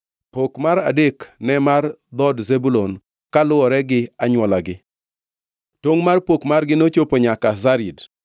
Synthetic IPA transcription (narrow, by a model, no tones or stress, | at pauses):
pokmaɾa̰deknɛmard̪ɔdzebulon | kalʊɔɾɛɡɪaɲwɔlaɡɪ | toŋmarpokmarɡɪnot͡ʃopoɲakazaɾid